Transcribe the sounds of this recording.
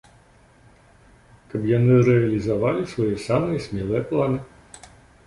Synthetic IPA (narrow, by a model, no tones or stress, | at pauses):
kɐpjanɨɾɛɐlʲizavalʲisvajɛsamɨjɛsʲmʲɛlˠɛjɛplˠanɨ